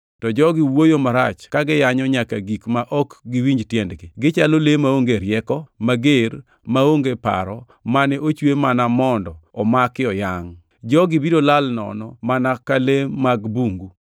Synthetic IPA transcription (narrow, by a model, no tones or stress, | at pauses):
tɔd͡ʒɔɡɪwojomaɾa̰t͡ʃkaɡɪjaɲɔɲakaɡikmaʔɔkɡɪwiɲd͡ʒtjɛndɡɪɡɪt͡ʃalolemaoŋɡeɾjɛkɔmaɡeɾ | maoŋɡepa̰ɾɔ | manɛʔot͡ʃwemanamɔndɔɔmakɪɔjaŋ | d͡ʒɔɡɪbidolalnɔ̰nɔmanakalemaɡbuŋɡu